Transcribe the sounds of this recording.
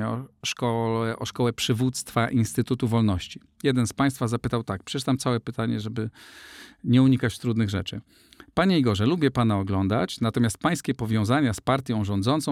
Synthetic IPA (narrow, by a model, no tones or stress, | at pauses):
ɔ̰ʂkɔlɛʔɔʂkɔwɛpʂɘvut̪st̪faʔinst̪ɘt̪ut̪uvɔlnɔɕt͡ɕi | jɛd̪ɛnspaj̃st̪fazapɘt̪awt̪ak̚pʂɛt͡ʃɘt̪amt̪sawɛpɘt̪aɲɛʐɛbɘ | ɲɛuɲikat͡ɕt̪ɾud̪nɘɣʐɛ̰t͡ʂɘ | paɲɛiɡɔʐɛlubʲjɛpanaɔɡlɔnd̪at͡ɕnat̪ɔmʲjast̪̚paj̃skʲɛpɔvʲjɔ̃w̃zaɲaspaɾt̪ʲjɔ̃w̃ʐɔ̃nd̪zɔnt̪sɔ̃w̃